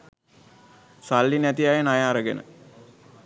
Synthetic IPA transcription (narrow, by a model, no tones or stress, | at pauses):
salːinæt̪iajnajaːɾəɡenə̰